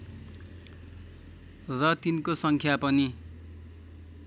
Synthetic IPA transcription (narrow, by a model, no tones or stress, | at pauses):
rʌt̪inkosʌŋkʰjapʌni